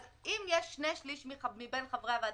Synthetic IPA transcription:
imjeʃːnejʃliʃmiχmibenχavʁeavad

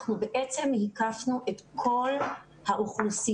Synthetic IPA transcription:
nubeʔet͡se̞mhikafnuʔe̞tkʰo̞l | haʔuχlusi

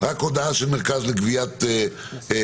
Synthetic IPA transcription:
ʁakod̪aaʃelmeʁkazleɡvijat̪

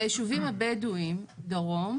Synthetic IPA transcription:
jeʃuvimabeduimd̪aʁom

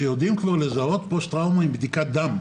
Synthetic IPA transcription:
ejod̪imkvaʁle̞zao̞t̪post̪ʁawmaimbd̪ikat̚d̪am

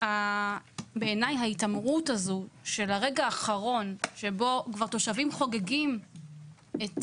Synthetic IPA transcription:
a | beːnajɦaitamʁutazuʃe̞laʁe̞ɡaːχaʁo̞nʃe̞bo̞kvaʁt̪o̞ʃavimχo̞ɡeɡim | et

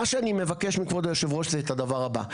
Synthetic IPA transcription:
aʃeanime̞vake̞ʃmikvod̪ajoʃevʁo̞ʃzeːtad̪avaʁaba̰

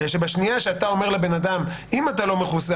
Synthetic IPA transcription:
eʃebaʃnijaʃeat̪ao̞me̞ʁle̞be̞nad̪am | imat̪alo̞me̞χusa

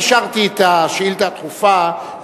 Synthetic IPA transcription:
ʃaʁt̪it̪aʃilt̪at̪χufa

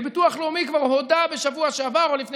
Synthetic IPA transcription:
bituaχleumikvaʁho̞dabe̞ʃavuaʃeavaʁolifne

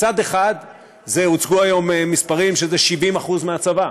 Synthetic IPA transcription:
t͡sad̪e̞χad̪ | ze̞ut͡sɡuajo̞memːispaʁimʃe̞zeʃivimaχuzmeat͡sava

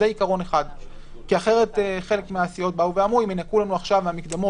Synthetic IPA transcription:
eikaʁo̞ne̞χad̪ | kiaχe̞ʁe̞teχe̞lekmeasio̞t̚bauveamuimenakulanuaχʃavmamikd̪amo

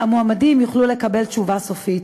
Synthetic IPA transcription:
amoamadimjuχlule̞kabe̞lt͡ʃuvaso̞fit

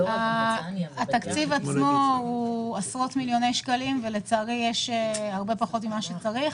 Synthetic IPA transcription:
aː | t̪akt͡sivat͡smo̞uasʁo̞t̪miljo̞nejʃkalimvelet͡saːʁijeʃeaʁbe̞paχo̞timːaʃet͡saʁiχ

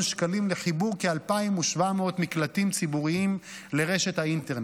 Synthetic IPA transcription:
nʃkalimleχibuʁkealpaimuʃvameot̪miklat̪imt͡sibuʁiim | le̞ʁe̞ʃet̪haint̪eʁn

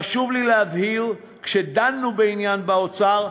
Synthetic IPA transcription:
aʃuvlileavhiʁ | kʃed̪anːubeinjanbaot͡saʁ

